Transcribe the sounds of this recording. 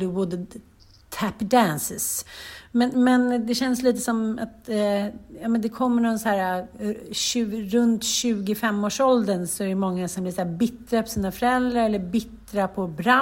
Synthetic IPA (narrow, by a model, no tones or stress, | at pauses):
lwʊd̪ | t̪ʰæpd̪ænsɪsmɛnmɛnd̪ɛɕɛnsliːt̪əsɔma̰t̪ | jɑːmɛnd̪ɛkʰɔmːəɳɔshæːɾaɕʉɾɵnt̪ɕʉ̟ːɡɪfɛmːoːʂɔld̪ənsɔɛɛmɔŋːasɔmblɪɾsæːbɪt̪ːɾapʰɔsiːnafœɾɛld̪ɾaɾɛlːəɾbɪt̪ːɾapʰɔbɾa